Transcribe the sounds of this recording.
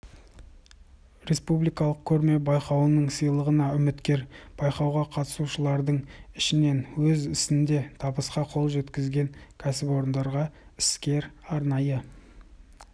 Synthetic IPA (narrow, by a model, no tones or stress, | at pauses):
ɾe̞spublijkɑlˠəq̚kʲʰɵɾme̞bɑjqɑwənəɴsijlˠəʁənɑʏmɪt̪kʲe̞ɾb̥ɑjqɑwʁɑqʰɑt̪ə̥suʃəlˠɑɾd̪əɴɪʃɪne̞nwɵzɪsɪnd̪e̞t̪ʰɑbəsqɑqʰo̞lˠʒe̞t̪kʲɪzɡʲe̞ŋkʲʰæsɪpo̞ɾənd̪ɑɾʁɑɪ̥skʲe̞ɾɑɾnɑjə